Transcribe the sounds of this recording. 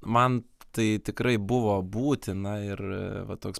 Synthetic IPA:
mɐnt̪ɐɪt̪ʲɪkɾɐɪbʊʋoːbuːt̪ʲɪnɐɪrʋɐt̪oːks

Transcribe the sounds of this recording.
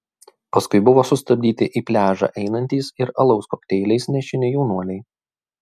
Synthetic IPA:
pɐskʊɪbʊʋoːsʊst̪ɐbʲd̪ʲiːt̪ʲɪʔiːpʲlʲæːʒɑ̰ːʔɛɪnɐnʲt̪ʲiːsɪɾɐlˠɒʊskoːkt̪ʲɛɪlʲɛɪsnʲɛʃʲɪnʲɪjɛʊnuɔlʲɛɪ

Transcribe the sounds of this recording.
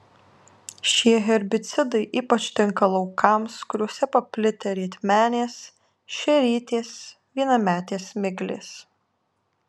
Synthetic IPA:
ʃʲiɛɣʲɛɾʲbʲɪt̪sʲɪd̪ɐɪʔiːpɐt͡ʃʲt̪ʲɪŋkɐlˠɐʊkɐmskʊɾʲoːsʲɛpɐpʲlʲɪt̪ʲɛɾʲiɛt̪ʲmʲæːnʲeːs | ʃʲɛɾʲiːt̪ʲeːs | ʋʲiɛnɐmʲæːt̪ʲeːsmʲɪɡlʲḛːs

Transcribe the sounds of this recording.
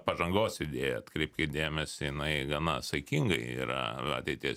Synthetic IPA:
pɐʒɐŋɡoːsɪd̪ʲeːjɛt̪kɾʲɛɪp̚ʲkʲɪd̪ʲeːmʲɛsʲɪjɪnɐɪɡɐnɐsɐɪkʲiŋɡɐɪḭːɾɐ̰ɐ̰t̪ʲɛɪt̪ʲis

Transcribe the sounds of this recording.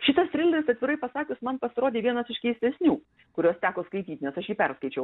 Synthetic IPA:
ʃʲɪt̪ɐst̪ʲɾʲɪlʲɛɾʲɪsɐt̪ʲʋʲɪɾɐɪpɐsɑːkʲɪsmɐnpɐsʲɪɾoːd̪ʲeːʋʲiɛnɐsɪʃkʲɛɪsʲt̪ʲɛsʲnʲuː | kʊɾʲoːst̪ʲæːkoːskɐɪt̪ʲiːt̪ʲnʲɛsɐʃjiːpʲɛɾskɐɪt͡ʃʲɛʊ

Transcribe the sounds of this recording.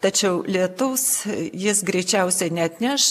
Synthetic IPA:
t̪ɐt͡ʃʲɛʊlʲiɛt̪ʊʊsjɪsɡɾʲɛɪt͡ʃʲɛʊsʲɛnʲɛɐt̪ʲnʲɛʃ

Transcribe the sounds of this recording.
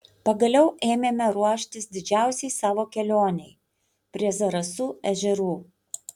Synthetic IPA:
pɐɡɐlʲɛʊʔeːmʲeːmʲɛɾuɔʃʲt̪ʲɪsd̪ʲɪd͡ʒʲæˑʊsʲɛɪsɑːʋoːkʲɛlʲoːnʲɛɪ | pʲɾʲiɛzɐɾɐsuːɛʒʲɛɾuː

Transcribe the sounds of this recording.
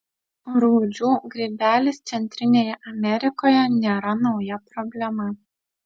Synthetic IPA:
ɾuːd͡ʒʲuːɡɾʲiːbʲæːlʲɪst̪sʲɛnʲt̪ʲɾʲɪnʲeːjɛʔɐmʲɛɾʲɪkoːjɛnʲeːɾɐnɒʊjɛpɾɔbʲlʲɛmɐ

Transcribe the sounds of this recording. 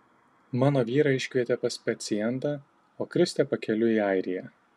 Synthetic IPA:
mɑːnoːʋʲiːɾɑːɪʃʲkʲʋʲiɛt̪ʲɛpɐspʲɐt̪sʲɪjɛnt̪ɑː | oːkɾʲɪsʲt̪ʲɛpɐkʲɛlʲʊiːɐɪɾʲɪjɛ

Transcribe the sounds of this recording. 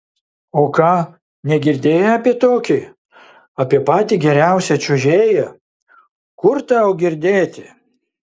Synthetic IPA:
oːkɑː | nʲɛɡʲɪɾʲd̪ʲeːjɛɑːpʲiɛt̪oːkʲi | ɑːpʲiɛpɑːt̪ʲiːɡʲɛɾʲæˑʊsʲɛt͡ʃʲʊʒʲeːjɛ | kʊɾt̪ɑoːɡʲɪɾʲd̪ʲeːt̪ʲɪ

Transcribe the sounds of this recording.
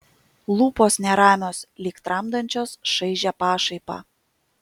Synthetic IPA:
lˠuːpoːsnʲɛɾɑːmʲoːslʲiːkt̪ɾɑmd̪ɐnʲt͡ʃʲoːsʃɐɪʒʲɛpɑːʃɐɪpɑ̰ː

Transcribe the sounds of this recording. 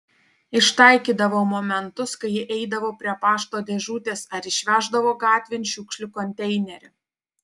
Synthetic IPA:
ɪʃt̪ɐˑɪkʲiːd̪ɐʋomoːmʲɛnt̪ʊskɐɪjɪʔɛɪd̪ɐʋoːpʲɾʲiɛpɑːʃt̪oːd̪ʲɛʒuːt̪ʲeːsɐɾɪʃʲʋʲæːʒd̪ɐʋoːɡɑːt̪ʲʋʲɪnʲʃʲʊːkʃʲlʲʊkɔnʲt̪ʲɛɪnʲɛɾʲʊ

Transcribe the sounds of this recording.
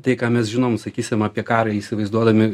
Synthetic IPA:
t̪ɐɪkaːmʲɛsʒʲɪnoːmsɐkʲiːsʲɪmɑːpʲiɛkɑːɾɐiːsʲɪʋɐɪzd̪uɔd̪ɐmʲɪ

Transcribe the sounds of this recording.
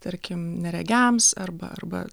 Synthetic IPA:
t̪ɐɾʲkʲɪmnʲɛɾʲɛɡʲæmsɐrbɐ̰ʔɐrbɐ̰

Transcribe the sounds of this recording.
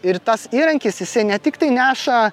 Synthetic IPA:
ɪɾt̪ɐsiːɾɐŋʲkʲɪsjɪsɐɪnʲɛt̪ʲɪkt̪ɐɪnʲæːʃɐ

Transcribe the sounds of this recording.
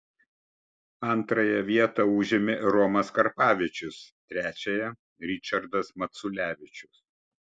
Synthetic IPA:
ɐnt̪ɾɐjɛʋʲiɛt̪ɐʊːʒʲɪmʲɪɾɔmɐskɐɾpɑːʋʲɪt͡ʃʲʊst̪ʲɾʲæːt͡ʃʲɛjɛ | ɾʲɪt͡ʃʲɐɾd̪ɐsmɐt̪sʊlʲæːʋʲɪt͡ʃʲʊs

